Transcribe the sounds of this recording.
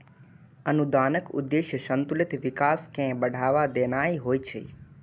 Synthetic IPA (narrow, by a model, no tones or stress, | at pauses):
ənud̪aːnəkʊ̰d̪ːeːʃjəʃənt̪ulɪt̪ʋɪkaːskɛ̃bəɖʱaːʋad̪enaiɦoːit͡ʃʰḛ